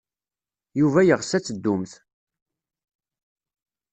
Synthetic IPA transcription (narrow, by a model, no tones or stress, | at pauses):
juvæjəʁsæt͡sːəd̪ːʊmθ